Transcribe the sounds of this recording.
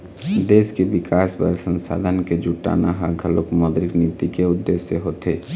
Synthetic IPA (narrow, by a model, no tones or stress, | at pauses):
d̪eːskebikaːsbəɾsənsa̰d̪ʱənked͡ʒuʈːa̰naɦaɡʱəlokmɔd̪ɾiknit̪ikeʊd̪ːesjeɦot̪e